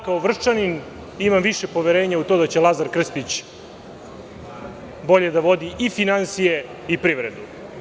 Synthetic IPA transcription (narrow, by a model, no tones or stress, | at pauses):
kaoʋr̩t͡ʃanin | imamʋiʃepo̞ʋeɾe̞ːɲaut̪o̞d̪at͡ɕelazaɾkr̩spit͡ɕ | bo̞ʎe̞d̪aʋo̞d̪iʔifinansije | ipɾiʋɾed̪u